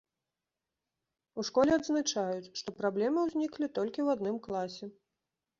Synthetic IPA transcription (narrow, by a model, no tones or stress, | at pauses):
uʂkɔlʲɛad̪znat͡ʂajut͡sʲʂt̪ɔpɾablʲɛmɨwzʲnʲiklʲit̪ɔlʲkʲiwad̪nɨmklˠasʲɛ